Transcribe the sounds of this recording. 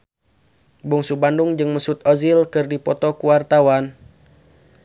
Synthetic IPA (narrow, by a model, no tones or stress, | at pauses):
buŋsubanduŋd͡ʒɨŋməsut̪̚ɔzilkɨrdipɔt̪ɔkuwart̪awan